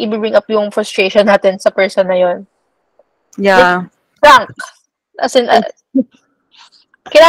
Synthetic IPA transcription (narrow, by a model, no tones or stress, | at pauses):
ʔɪbibɹɪŋʔɐpjʊŋfɹʊst̪ɹeːʃonːaːt̪ɛnsɐpɛɹsonːɐjon | jaɛ | tɹaŋk̚ | ɐ̰sɛnʔɐ̰ | kɪnaː